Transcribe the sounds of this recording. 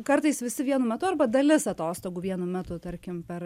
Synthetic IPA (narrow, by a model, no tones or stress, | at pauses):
kɐrt̪ɐɪsʋʲɪsʲɪʋʲiɛnumʲɛt̪ʊɐrbɐd̪ɐlʲɪsɐt̪oːst̪oːɡuʋʲiɛnʊmʲæt̪ʊt̪ɐɾʲkʲɪmpʲɛr